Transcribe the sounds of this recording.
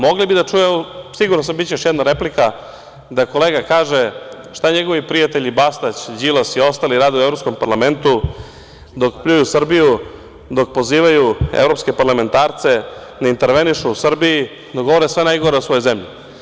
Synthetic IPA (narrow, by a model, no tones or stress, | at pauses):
mo̞ɡlibid̪at͡ʂujeosiɡuɾnos̬ambit͡ɕeoʃjɛd̪naɾe̞plika | d̪ako̞leːɡakaːʒe | ʃt̪aɲeɡo̞ʋipɾijat̪eʎibast̪at͡ɕd͡ʑilasio̞st̪aːliɾaːd̪uevɾopsko̞mpaɾlˠame̞nt̪u | d̪o̞kpʎʲujusr̩biju | d̪o̞k̚po̞ziːʋajuḛvɾo̞pske̞paɾlˠame̞nt̪aːɾt̪se̞ | d̪aint̪e̞ɾʋe̞niʃuusr̩biji | d̪oɡoʋo̞ɾesʋenajɡo̞ɾeosʋo̞jozemʎi